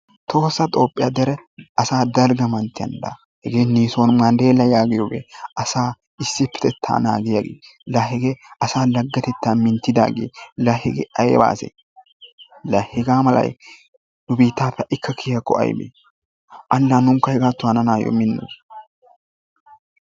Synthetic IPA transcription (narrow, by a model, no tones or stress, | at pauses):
t̪ʰo̞ːsɐt̪ʼo̞ːpʼːɪjaːd̪ɛɾɛɐsaːd̪ɐlɡɐmɐnt̪ːɪjɐ̰nd̪a̰ | hɛɡeːniːsoːnmɐnd̪eːlːɐjaːɡɪjoːɡḛːʔɐsaː | ɪsːɪpːɛ̥t̪ɛt̪ʰːa̰ːna̰ːɡɪjaɡḛːlɐɦɛɡeːɐsaːlɐɡːɐt̪ɛt̪ːaːmɪnt̪ːɪd̪aːɡḛːlɐhɛɡḛːʔɐjḛːba̰ːsḛ | lɐhɛɡaːmɐlɐ̰j | nʊbiːt̪ːaːpːɛɐʔɪkːɐkʰɪjɐkːɔʔɐ̰jbḛː | ʔɐlːaːnʊŋkːɐhɛɡaːt̪ːʊhɐnɐnaːjo̰mɪnːo̰